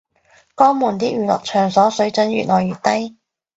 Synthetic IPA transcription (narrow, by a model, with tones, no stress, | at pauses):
kɔː˥ŋmuː˨˩nt̪iː˥jyː˨˩lɔ̰ː˨k̚t͡ʃʰœː˨˩ŋsɔː˨˥sɵ˨˥ɥt͡sɵ˨˥nɥy̰ː˨t̚lɔː˨˩jyː˨t̚t̪ɐ˥j